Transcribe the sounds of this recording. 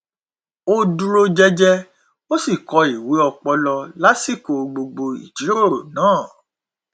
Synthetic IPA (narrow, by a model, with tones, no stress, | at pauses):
o˧du˧ɾo˧d͡ʒɛ˧d͡ʒɛ˧ | o˦si˦˨kɔ˨˧˦i˨we˨˦ɔ˧k͡pɔ˧lɔ˧la˦si˦˨ko˨˧ɡ͡bo˧ɡ͡bo˧ḭ˨d͡ʒi˨˦ɾo˦˨ɾo̰˨nãː˦˨